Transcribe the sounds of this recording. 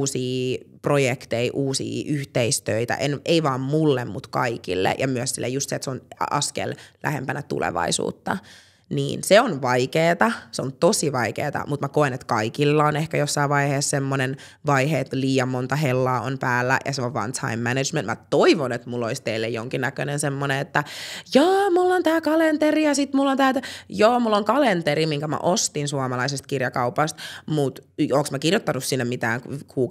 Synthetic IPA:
siːprojekt̪eiʔuːsḭːʔyht̪eist̪øit̪æ̰ʔeneiʋɑːmmulːemmut̪kɑ̰ikḭlːḛjɑmyøssilːḛjust̪set̪seonɑ̰skḛllæ̰hempænæt̪ṵlḛʋɑ̰isṵːt̪ːɑ | nḭːnseonʋɑikeːt̪ɑseont̪osiʋɑikḛːt̪ɑ̰mut̪mækoenet̪kɑikilːɑonehkæjosːɑiʋʋɑiheːssemːonen | ʋɑiheːt̪liːjɑmmont̪ɑɦelːɑːo̰npæːlːæ̰jɑ̰seoʋʋɑ̰nt̪ʰɑ̰imːæned͡ʒmenmæ̰t̪oiʋonet̪mulːoist̪eilːḛjo̰ŋkinːækønensemːoneet̪ːæjoːmulːont̪æːkɑlent̪erijɑsit̪mulːont̪æːt̪joːmulːoŋkɑlent̪eɾimiŋkæmæ̰ʔost̪insuɑmɑlɑisest̪kirjɑkɑupɑst̪mut̪oːŋksmækirjot̪ːɑnussinːemit̪æ̰ːŋkkʰuːk

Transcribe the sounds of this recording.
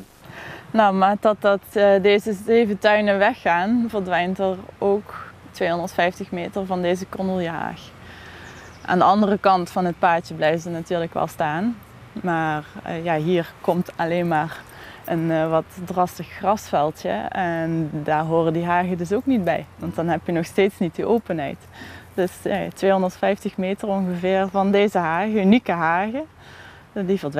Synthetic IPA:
nowmaːdɑt̚dɑtdeːzəzeːvətœɥnəʋɛxːaːnvəɹdʋɛjntəɹowktʋeːɦɔndəɹtfɛjftəxmeːtərvɑndejzəkɔnulˠjəɦa̰ːx | ʔa̰ːndəɑndərəkɑntfɑnɦət̚paːtjəblɛjvəzənatyːɹləkʋɛ̰lˠstaːn | maːrjaːɦiːɹkɔmtʰɑleːnmaːr | ənʋɑtdrɑstəxxrɑsfɛlˠtjə̰ɛndaːɹɦoːrədiɦaːɣədɵs̬owknid̚bɛ̰jʋɑntdɑnɦɛpjənɔxsteːtsnit̚diʔoːwpənɦɛ̰jt | d̥ɵsa̰tʋeːɦɔndəɹtfɛjftəxmeːtərɔnɣəvɪːɹvɑndeːzəɦaːɣəynikəɦaːɣə | divəd

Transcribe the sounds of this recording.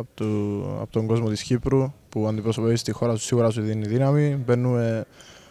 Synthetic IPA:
ɐ̰pot̪oŋɡo̞zmo̞t̪isçipɾupuɐnd̪ipɾosopepist̪ixo̞ɾɐsu̥siɣuɾɐs̬uðiniðinɐmibenːume̞

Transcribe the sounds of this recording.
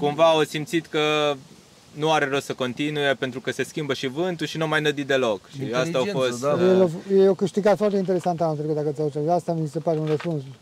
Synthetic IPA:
kumvaosimt̪sit̪kə | nuaɾe̞ɾossəko̞nt̪inujepe̞nt̪ɾukəse̞skʲimbəʃivɨnt̪uʃinuamajnəd̪it̪̚d̪e̞lokʃiasst̪aafost̪jelojeokɨʃt̪iɡat̪foart̪eint̪eɾe̞sant̪aũnt̪ɾekut̪d̪akət̪sʲaut̪ɾevast̪amisepaɾeunrəspuns

